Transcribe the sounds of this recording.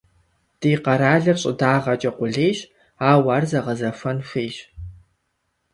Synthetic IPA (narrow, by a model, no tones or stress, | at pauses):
d̥iːqɐɾaːɮɨrɕʼɪ̰daːʁɐt͡ʃʼɐqʷʊɮeːɕ | aːwaːrzɐʁɐzɐfɐnʂʷeːɕ